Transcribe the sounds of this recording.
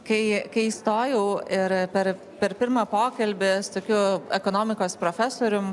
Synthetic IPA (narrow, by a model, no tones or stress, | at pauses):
kɐɪkɐɪist̪oːjɛʊɪɾpʲɛɾ | pʲɛɾpʲɪɾmɐpoːkɐlʲbʲɪst̪oːkʲʊɛkoːnoːmʲɪkoːspɾoːfʲæsoːɾʲʊm